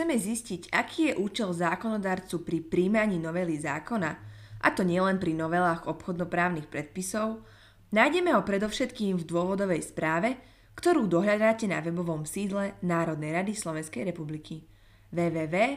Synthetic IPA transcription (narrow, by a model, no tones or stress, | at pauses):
t͡sɛmɛzisciɟakiːjɛʔuːt͡ʃɛlzaːkɔnɔd̪aːɾt͡supɾipɾiːmaɲiːnɔʋɛliza̰ːkɔnaʔa̰t̪ɔɲɪɛlɛnpɾinɔʋɛlaːɣɔpxɔd̪nɔpɾaːʊnixpɾɛt̪̚pisɔʊ | najɟɛmɛɦɔpɾɛd̪ɔʊʃɛt̪kiːmvd̪ʊɔʋɔd̪ɔʋɛjspɾaːʋɛ | kt̪ɔɾuːd̪ɔɦʎad̪aːcɛna̰ʋɛbɔʋɔmsiːd̪lɛnaːɾɔd̪̚nɛjɾad̪islɔʋɛ̃nskɛjɾɛpublikʰi | ʋɛːʋɛːʋɛː